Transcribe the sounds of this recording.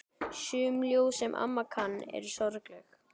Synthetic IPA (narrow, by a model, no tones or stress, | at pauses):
sʏːmljoːwsɛmʔa̰mːakʰanːɛ̰ɾsɔɾklɛx